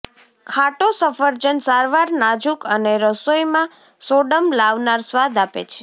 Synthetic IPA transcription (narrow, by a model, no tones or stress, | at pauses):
kʰaʈosəfəɾd͡ʒənsaɾʋaɾnad͡ʒukəneɾəsojmã | soɖəmlaʋnaɾsʋad̪apḛt͡ʃʰe̥